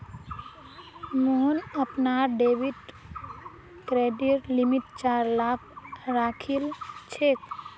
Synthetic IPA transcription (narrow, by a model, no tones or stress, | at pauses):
moɦnəpnaːɾɖeːʋiʈ | kɾeːɖiɾlimiʈt͡ʃaːɾlaːkʰɾaːkʰilt͡ʃʰeːk